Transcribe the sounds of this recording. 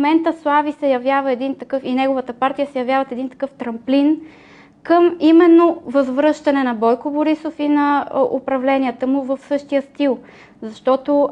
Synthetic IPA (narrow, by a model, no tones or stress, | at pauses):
mɛnt̪əslˠavisɛjɐvjavəɛd̪int̪ɐkɤfinɛɡovət̪əpaɾt̪ijəsɛjɐvjavət̪ɛd̪int̪ɐ̥kɤft̪ɾɐmplin | kɤmimɛnːovɐzvɾɤʃt̪ɐnɛnɐbɔjkoboɾisofinɐʊ̰pɾɐvlɛniət̪əmʊvəfsɤʃt̪ijəst̪ilˠ | zɐʃt̪ɔt̪o